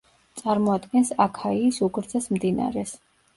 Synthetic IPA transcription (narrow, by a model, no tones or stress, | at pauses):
t̪sʼaɾmɔad̪ɡɛnsakʰaiːsuɡɾd̪zɛsmd̪ina̰ɾɛs